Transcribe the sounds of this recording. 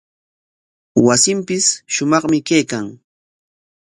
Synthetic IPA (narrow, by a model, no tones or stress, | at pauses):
wasɪmpɪsʃʊmɑχmɪkajkaŋ